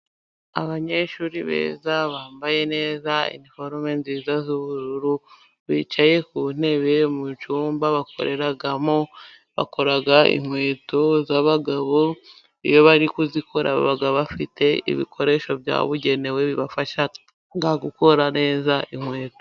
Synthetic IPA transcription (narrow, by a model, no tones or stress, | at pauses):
a̰βaɲe̞ʃuːɾiβḛːzaβaːmbaje̞ne̞ːzaḭnifo̞ɾmenziːzazuβuɾuɾu | βit͡ʃaje̞kuːn̥e̞βemut͡ʃuːmbaβakʰo̞̰ɾe̞ɾaɡamo̞ | βa̰ko̞ɾaɡaḭŋwe̞ːtozaβaɡaβo̞ | ijo̞βaɾikuzikʰoɾa̰β̰βaɡaβafite̞ḭβḭkʰo̞ɾe̞ʃo̞bja̰βuɟe̞ne̞we̞βiβafaʃa | ŋɡaɡuko̞ɾane̞ːzaʔiŋwe̞ːto